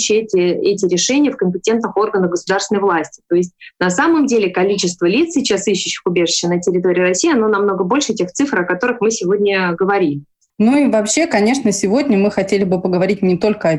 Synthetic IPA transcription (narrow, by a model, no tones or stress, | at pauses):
ɕːɪɛtʲɪɛtʲɪɾʲɪʂɛnʲɪjəfkəmʲpʲɪtʲe̞nt̪nɨxo̞rɡənəxɡəsʊd̪arsʲɪnəvlˠasʲtʲɪ̥t̪o̞ɪsʲtʲnɐsaməmdʲelʲɪkɐlʲit͡ɕɪst̪vəlʲit̪ssʲɪt͡ɕasiɕːʉɕːɪ̥xʊbʲeʐɨɕːɪnətʲɪɾʲɪt̪o̞ɾʲɪiːɾɐsʲiːɐno̞nɐmno̞ɡəbolʲʂɨtʲe̞xt̪sɨfr̩ɐkɐt̪o̞ɾɨxmɨsʲɪvo̞dʲnʲəɡəvɐɾʲilʲɪ | noivɐpɕːe̞kɐnʲe̞ʂnəsʲɪvo̞dʲnʲəmɨxɐtʲelʲɪbɨpəɡəvɐɾʲit̚ʲnʲɪt̪o̞lʲkəɐ